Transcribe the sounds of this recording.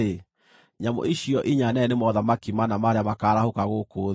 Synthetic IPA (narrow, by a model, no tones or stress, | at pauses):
e | ɲamo̰ʔiʃiɔʔiɲanɛnemɔðamakimanamaɾeamakaːɾahokaɣoːkoː